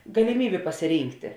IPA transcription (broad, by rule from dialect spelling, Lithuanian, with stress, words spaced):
ɡɐlʲɪˈmʲiːbʲeː pɐsʲɪˈrʲiːŋktʲɪ